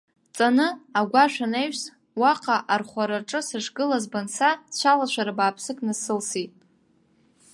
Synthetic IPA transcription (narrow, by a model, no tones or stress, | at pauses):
t͡sʼanɨaɡʷaʃᶣanejʷs | waqʰʼaʔarχʷaɾaʈ͡ʂʼɨsɨʂɡɨlazbansʰadʃʷalaʃʷaɾabaːpʰsɨkʼnasɨlsitʼ